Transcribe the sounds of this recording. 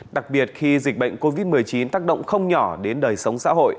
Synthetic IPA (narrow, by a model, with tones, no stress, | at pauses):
ɗa˨˩k̚ɓi˨˩ət̚xi˧zi˨˩k̟̚ɓə̰˧˨jŋ̟ko˧vi˦˥t̚m˨˩əjt͡ɕi˨˦nt̪aː˦˥k̚ɗə̰˧˨wŋ͡mxə˧wŋ͡mɲɔ˧˩ɗe˨˦nɗəː˨˩jsə˨˦wŋ͡msa̰ː˧˥ɦo̰˧˨jʔ